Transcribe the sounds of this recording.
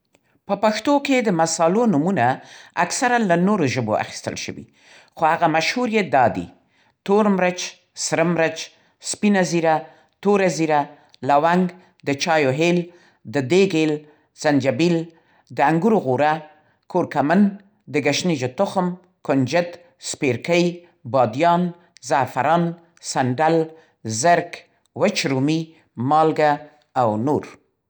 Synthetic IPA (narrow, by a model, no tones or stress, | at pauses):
pəpaxt̪oked̪əmasɑlonumunaaksaɾalanoɾoʒəbo̰a̰xi̥st̪ə̰lʃə̰wḭ | xohaɣamaʃhuɾijat̪̚d̪ɑd̪ḭ | t̪oɾmɾət͡ʃ | sɾəmɾat͡ʃ | spinaziɾa | t̪oɾaziɾa | lawaŋɡ | d̪ət͡ʃɑjoɦel | d̪əd̪eɡel | z̥and͡ʒabil | d̪əaŋɡuɾɣuɾa | koɾkamən | d̪əɡaʃnid͡ʒat̪ʊxm | kʊnd͡ʒɪt̪ | speɾkəj | bɑd̪jɑn | zafaɾɑn | saɳɖal | zəɾk | wat͡ʃɾumi | mɑlɡaː | wnoɾ